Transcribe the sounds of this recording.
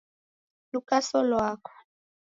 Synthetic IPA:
lukʼasɔlwaːkʰɔ̥

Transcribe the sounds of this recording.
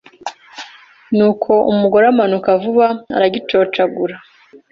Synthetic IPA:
nuːkʰo̞ṵmuɡo̞ɾamanukavuβaa̰ɾaɟit͡ʃo̞ːt͡ʃaɡuɾa

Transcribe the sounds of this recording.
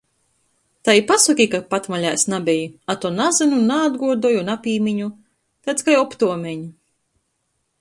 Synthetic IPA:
t̪ajipasɔkʲikapat̪maʎʲajsnabʲɛjiat̪ɔnazɨnunaːd̪ɡuɔd̪ɔjunapʲiːmʲiɲu | t̪at̪skajɔpt̪uɔmʲeɲu

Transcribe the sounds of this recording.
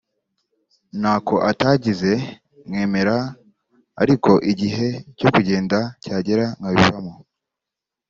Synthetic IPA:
naːko̞ʔataːɟize̞ | mŋe̞ːme̞ɾa̰ː | ɾiko̞ʔiɟiɦe̞co̞kuɟe̞ːndacaːɟe̞ɾaŋɡaβiβamo

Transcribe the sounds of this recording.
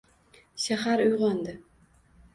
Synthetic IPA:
ʃaɦaɾʊjʁɒnd̪ɪ

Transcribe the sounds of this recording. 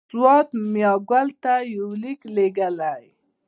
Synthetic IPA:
wɑt̪mjɑɡwalt̪ajawlikleɡəlaj

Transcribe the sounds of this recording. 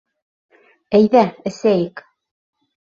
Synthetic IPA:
æjðæɘ̆sæjɘk

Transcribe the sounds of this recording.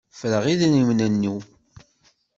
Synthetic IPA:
fləʁiðnimnænːi

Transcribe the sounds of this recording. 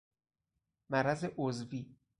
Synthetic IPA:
mæɾæzeʔozviː

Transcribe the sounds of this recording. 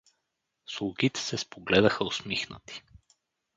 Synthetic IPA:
slˠuɡit̪ɛ̥sɛspʰoɡlɛd̪əxəosmixnə̰t̪i̥

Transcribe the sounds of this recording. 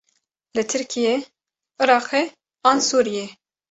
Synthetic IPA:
lɨt̪ʰɨɾkʰije | ʔɨɾɑːqʰe | ɑːnsuːɾije

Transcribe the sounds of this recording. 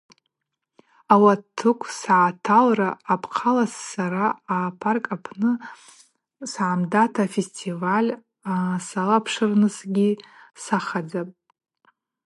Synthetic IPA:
awatʰːɨkʷʰsʕatʰalraːpʰqʰalasːaɾaːpʰarkʼapʰnɨ | sʕamdatʰafestʰivalʲ | asalapʰʂɨrnɨsɡʲisaχad͡zapʼ

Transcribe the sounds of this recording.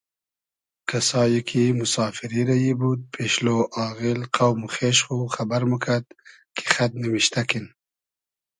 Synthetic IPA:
kasɑːjikʰimʊsɑːfɪɾiɾajibud̪̚pʰeʃloʔɑːɣɪlqʰawmuxeʃχuxabaɾmukʰad̪̚ | kʰe̥xat̪̚nəmiʃt̪akin

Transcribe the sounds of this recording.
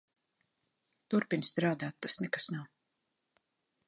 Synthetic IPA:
t̪uɾpinst̪ɾaːd̪aːt̪ːasnɛkḁsnaw

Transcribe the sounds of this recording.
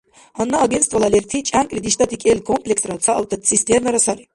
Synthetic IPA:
hanːaːɡɛnt̪st̪valˠalɛɾt̪ʰit͡ʃʼaŋkʼɾid̪iʃt̪ʰat̪ʰikʼɛlkʰɔmpʰʼlɛksʼɾat̪t͡s̪ʰaʔːlt̪ʰat̪sist̪ʰʼɛɛɾnaɾasaɾi

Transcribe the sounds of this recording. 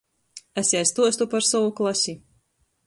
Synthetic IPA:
æsʲiast̪uɔst̪upaɾsɔvuklˠasʲi

